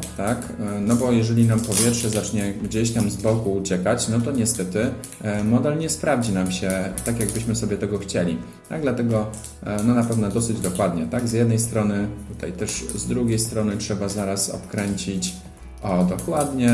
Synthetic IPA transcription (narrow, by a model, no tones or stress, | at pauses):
t̪aknɔbɔjɛʐɛlʲinampɔvʲjɛtʂɛzat͡ʂɲɛɡd͡ʑeɕt̪amzbɔkuːt͡ɕɛkat͡ɕnɔt̪̬ɔɲɛst̪ɛt̪ɘ | mɔd̪ɛlɲɛspɾavd͡ʑinamɕɛt̪akʲjaɡ̚bɘɕmɘsɔbʲɛt̪ɛɡɔxt͡ɕelʲḭ | t̪a̰ɡ̚d̪lat̪ɛɡɔ | nɔnapɛvnɔd̪ɔsɘd͡ʑd̪ɔkwad̪ɲɛt̪aɡzjɛd̪nɛjst̪ɾɔnɘt̪ut̪a̰jt̪ɛʂzd̪ɾuɡʲejst̪ɾɔnɘtʂɛbazaɾasɔ̰pkɾɛɲt͡ɕit͡ɕ | ɔd̪ɔkwad̪ɲɛ